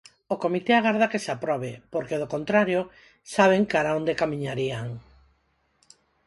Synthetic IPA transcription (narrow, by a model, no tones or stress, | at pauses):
okomit̪eaɣaɾð̞akesapɾɔβepoɾkeðokont̪ɾaɾjo | saβ̞eŋkaɾaond̪ekamĩɲaɾiaŋ